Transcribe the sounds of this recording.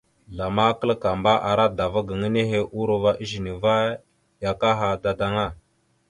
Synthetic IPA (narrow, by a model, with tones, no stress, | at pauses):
ɮa˨ma˦kə˦lka˨mba˦ʔa˨ɾa˦da˨va˦ɡə˨ŋə˦ne˦ɦe˦ʔu˦ɾo˨va˦ʔi˦ʒi˨ni˨va˦ | ja˨ka˦ɦa˨da˨da˦ŋa˦˨